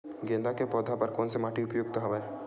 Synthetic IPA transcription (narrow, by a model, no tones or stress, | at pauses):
ɡẽnd̪akepɔd̪ʱapaɾkonsemaʈiupojoɡ̚t̪ɔɦɔbɛ